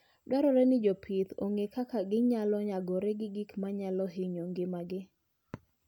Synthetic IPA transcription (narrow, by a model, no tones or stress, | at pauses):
dwaɾɔɾɛnɪd͡ʒɔpʰɪt̪o̰ŋekakaɡɪɲalɔɲaɡɔɾɛɡɪɡikmaɲalɔɦɪɲoŋɡɪmaɡɪ